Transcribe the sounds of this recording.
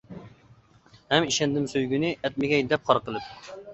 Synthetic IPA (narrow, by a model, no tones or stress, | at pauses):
hɛmiʃɛnd̪ɪmsøjɡʲynɪʔɛt̪̚mɪɡʲɛjd̪ɛp̚qʰɑɾqəlˠɨp̚